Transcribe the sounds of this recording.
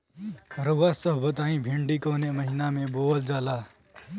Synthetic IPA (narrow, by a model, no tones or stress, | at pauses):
ɾəasəɦbət̪aːĩbʱeɳɖikɔːneməɦinamẽboːld͡ʒaːla